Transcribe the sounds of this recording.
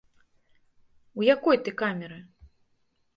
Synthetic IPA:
wjakɔjt̪ɨkamʲɛɾɨ

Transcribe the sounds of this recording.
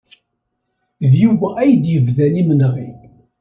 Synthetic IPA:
ðjuwææjd̪jəvðænimnʁḭ

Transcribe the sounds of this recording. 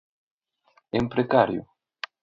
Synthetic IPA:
empɾekaɾjʊ̰

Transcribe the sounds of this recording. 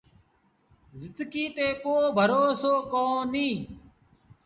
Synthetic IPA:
zɪd̪ɡiːt̪eːkoːbʱəɾoːsoːkõːnĩː

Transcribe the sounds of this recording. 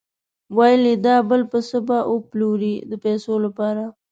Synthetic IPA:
wɑjlid̪ɑbəlpəsəbaʔoploɾid̪əpɛsolapɑɾa

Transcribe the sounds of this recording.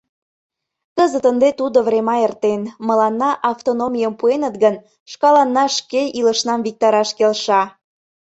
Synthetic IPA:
kəzət̪ənd̪et̪ud̪ovɾemɑert̪enməlɑnːɑʔɑft̪onomʲijəmpuenət̪ɡən | ʃkɑlɑnːɑʃkeiləʃnɑmvik̚t̪ɑɾɑʃkelʃɑ

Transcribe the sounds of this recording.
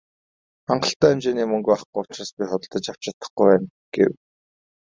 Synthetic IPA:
χaɴɢə̆ɬt̪æːemt͡ɕeːniːmɵŋɡaχɡujʊt͡ɕɪrăːspʲiχɔt̪ɞ̆ɮt̪ə̆t͡ɕaw̥t͡ɕat̪ːə̥̆χɡujwæːn | ɡ̥ḛw

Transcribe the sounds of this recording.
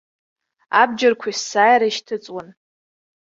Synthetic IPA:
ab̚d͡ʒarkʷʰaisːaːjɾaiʃtʰɨt͡sʼwan

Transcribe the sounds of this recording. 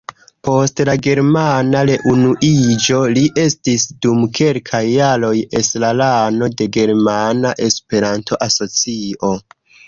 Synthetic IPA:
po̞stlaɡe̞ɾmanaɾe̞ʔunuʔid͡ʒo̞liʔe̞stisdumkʰe̞lkʰajːalo̞je̞slalano̞de̞ɡe̞ɾmanaʔe̞spe̞ɾantʰo̞ʔaso̞t͡sio̞

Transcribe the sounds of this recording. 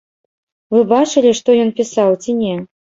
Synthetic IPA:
vɨbat͡ʂɨlʲiʂt̪ɔjɔnpʲisawt͡sʲinʲɛ

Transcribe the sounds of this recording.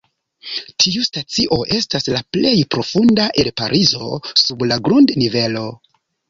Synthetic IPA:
tʰiustat͡siʔo̞ʔe̞staslaple̞jpɾo̞fundaʔe̞ɾpa̰ɾʔizo̞̰sublaɡɾundnive̞lo̞

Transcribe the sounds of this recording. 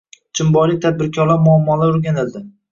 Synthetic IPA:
t͡ʃʰɪmbɒlɪt̪ʰad̪̚bɪɾkʲʰɒɾlaɾmʊamːɒlaʊɾɡʲanɪld̪ɪ

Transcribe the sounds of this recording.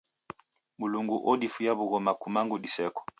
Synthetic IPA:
muluŋɡuʔɔdifujaβuɣɔmakumaŋɡudisɛkɔ̥

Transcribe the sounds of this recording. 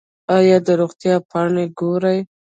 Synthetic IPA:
ɑjɑd̪əɾoɣt̪jɑpʰɑɳeɡoɾaj

